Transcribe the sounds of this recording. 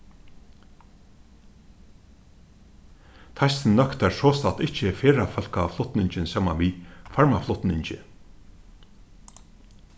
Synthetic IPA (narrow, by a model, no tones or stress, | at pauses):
t̪ʰajst̪ɪnnœkt̪æɹsɔːst̪at̪ɪht͡ʃːɪfeːɾafœl̥kaflʊt̪nɪɲt͡ɕɪnsjaːma̰nʋifaɹmaflʊt̪nɪɲt͡ɕɪ